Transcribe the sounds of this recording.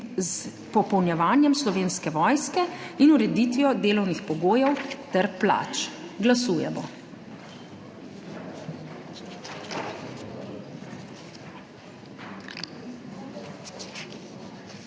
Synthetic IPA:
z | pɔpɔwnjɛʋaːnjɛmslɔʋeːnskɛʋɔjskɛinuɾɛd̪iːt̪ʋijɔd̪eːlɔwnixpɔɡoːjɛwt̪ɛɾpla̰ːt͡ʃɡlasuːjɛmɔ̰

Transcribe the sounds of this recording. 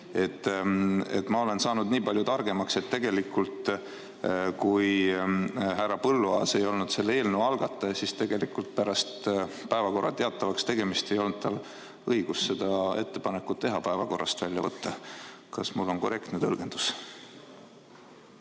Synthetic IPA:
e̞t̪ːˑ | e̞̰t̪ːˑmɑo̞le̞nsɑːnud̪niːpɑlʲjut̪ɑrɡe̞mɑkse̞t̪ːe̞ɡ̥e̞likːult̪ | kuj | ɦærːɑpɤlːuɑse̞jo̞lnud̪se̞lːee̞ːlneɑlɡ̥ɑt̪ːˑɑjɑsist̪e̞ɡ̥e̞likːˑult̪̚pæɾɑst̪pæevɑko̞rːɑ̰t̪e̞ɑt̪ːˑɑvɑkst̪e̞ɡ̥e̞mist̪e̞jo̞lnd̪̚t̪ɑl | ɤiɡ̥usse̞d̪̥ɑe̞̰t̪ːe̞pɑne̞kːˑut̪ːe̞ɦɑpæe̞vɑko̞rːʔɑst̪vælʲjɑ̰vɤ̰t̪ːɑ | kɑsmulːo̞nko̞re̞kt̪net̪ɤlɡ̥e̞nd̪̥us

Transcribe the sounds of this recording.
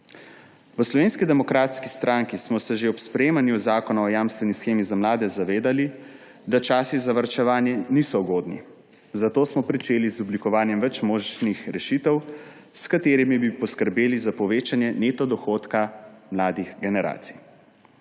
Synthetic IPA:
ʋəslɔʋeːnskid̪ɛmɔkɾaːt̪skist̪ɾaːŋkismɔsɛʒeɔpspɾɛemanjuzaːkɔnaɔjaːmst̪ʋɛnisxeːmizamlaːd̪ɛzaʋeːd̪ali | d̪at͡ʃaːsizaʋəɾt͡ʃɛʋaːnjɛniːsɔuɡoːd̪nḭ | zat̪oːsmɔpɾit͡ʃeːlizɔblikɔʋaːnjɛmʋɛt͡ʃmoːʒnixɾɛʃit̪ɛw | skat̪eːɾimibipɔskəɾbeːlizapɔʋeːt͡ʃanjɛnet̪ɔd̪ɔxoːt̪kamlaːd̪ixɡɛnɛɾa̰ːt̪si̥j

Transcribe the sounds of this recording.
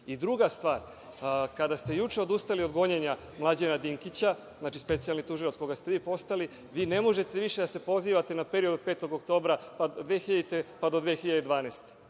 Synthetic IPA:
id̪ɾuɡast̪ʋaːɾ | kad̪ast̪e̞jut͡ʃe̞o̞d̪ust̪alio̞d̪ɡo̞ɲeɲa | mlˠad͡ʑenad̪iŋkit͡ɕa | znaːt͡ʃispe̞t̪sijalnit̪uʒilat̪ko̞ɡast̪eʋiːpo̞st̪ali | ʋiːne̞mo̞ʒe̞t̪e̞ʋiʃe̞d̪ase̞po̞ziːʋat̪e̞nape̞ɾiod̪ope̞ːt̪o̞ɡokt̪o̞ːbɾapad̪ʋexiʎait̪epad̪o̞d̪ʋexiʎad̪ed̪ʋaːnest̪e̥

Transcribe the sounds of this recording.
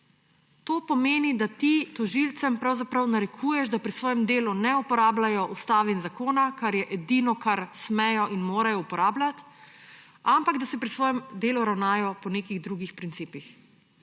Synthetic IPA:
t̪oːpɔmeːnid̪at̪it̪ɔʒilt̪sɛmpɾawzapɾɐwnaɾɛkʰujɛʃd̪apɾisʋɔːjɛmd̪eːlunɛupɔɾaːblajɔʔust̪aːʋinzakoːnakaɾjɛʔɛd̪inɔkaɾsmɛjɔʔinmoːɾajɔupɔɾaːblat̪ | ampaɡd̪asɛpɾisʋɔːjɛmd̪eːluɾawnaːjɔpɔneːkiɣd̪ɾuɡixpɾint̪siːpix

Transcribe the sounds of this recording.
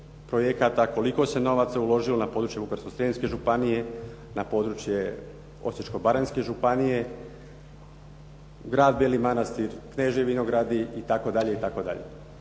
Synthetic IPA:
pɾojekat̪ako̞liko̞se̞no̞ʋat̪saulo̞ʒilo̞napo̞ːd̪ɾut͡ʃje̞bukaɾskosɾeinske̞ʒupanije̞ | napo̞ːd̪ɾut͡ʃje | o̞̰set͡ʃko̞baɾenske̞ʒupanije̞ | ɡɾaːd̪belimanast̪iɾkneʒeʋinoɡɾad̪iit̪ako̞d̪aʎe̞it̪ako̞d̪a̰ʎḛ

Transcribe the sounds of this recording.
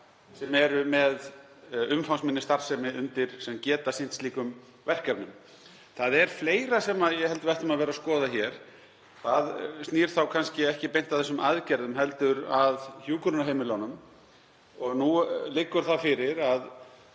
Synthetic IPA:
sɛmɛɾʏmɛð | ʏmfawsmɪnːɪst̪aɾ̥sɛmɪʏnt̪ɪɾ̥sɛmcɛːt̪asɪn̥t̪sliːkʏm | vɛr̥kaɾnʏm | θaðɛɾ̥fleːjɾasɛmaðjɛhɛlt̪avajht̪ʏmaðvɛːɾaskɔːðaçɛɾ̥ | θaðst̪niːɾ̥θawkʰanscɪɛhcɪpejnt̪avθɛsːʏmaðcɛɾðʏmɦɛlt̪ʏɾaðçjuːkʏɾnaɦejmɪlanʏm | ɔɣnulɪkːʏɾ̥θafɪɾɪɾað

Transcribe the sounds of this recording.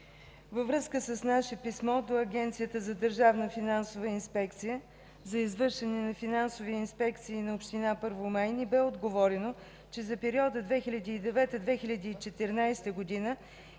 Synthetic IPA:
vəvɾɤskəsəsnaʃɛpismɔd̪oɐɡʲɛnt̪sijət̪əzɐd̪əɾʒavnəfinansovəinspɛkt̪sijə | zɐizvɤɾʃɛnɛnɐfinansoviinspɛkt̪siːnɐopʃt̪inapɤɾvomajnibɛod̪ɡovɔɾɛno | t͡ʃɛzɐpɛɾiɔd̪əd̪vɛxilʲɐd̪iːd̪ɛvɛt̪əd̪vɛxilʲɐd̪iːt͡ʃɛt̪ɛɾnajst̪əɡod̪inə

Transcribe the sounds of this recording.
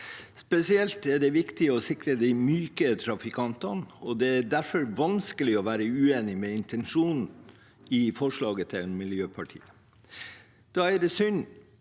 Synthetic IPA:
spɛsɪɛlt̪æɖɛʋɪkt̪ɪɔsɪkɾəd̪ɪɪmyːkət̪ʰɾɑfɪkʰɑnt̪ɑnɔd̪ɛæɖ̪æɾfɔɾʋɑnskəlɪɔʋæːɾəʉːeːnɪmɛɪnt̪ʰɛnʂuːnn̩ | ɪfɔʂɭɑːɡət̪ʰɪlmɪljøːpʰɑʈʰḭːə | d̪̥ɑːɛɖ̪ɛsʏn

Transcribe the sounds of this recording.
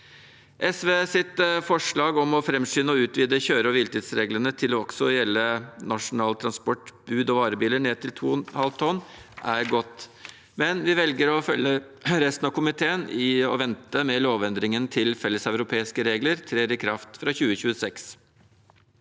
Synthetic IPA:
ʔɛsʋeːsɪt̪fɔʂɭɑːɡɔmɔfɾɛmʂʏnːəɔʉːt̪ʋiːd̪əçøːɾəɔʋɪlt̪ʰiːd̪sɾeːɡlənət̪ʰɪlɔɔksɔjɛlːənɑʂʊnɑːlt̪ʰɾɑnspɔʈbʉːd̪ɔʋɑːɾəbiːləɳeːt̪ʰɪlt̪ʰṵːhɑlt̪ʰɔnːʔæɾɡɔt̪ː | mɛnʋɪʋɛlɡəɾɔfœlːə | ɾɛst̪nɑʋkʊmɪt̪ʰeːənɪɔ̰ʋɛnt̪əmɛloːʋɛnd̪ɾɪŋənt̪ʰɪlfɛlːəsœʉɾʊpʰeːɪskəɾeːɡləɾt̪ʰɾeːɾɪkʰɾɑft̪fɾɑːçʉːəçʉːəsɛks

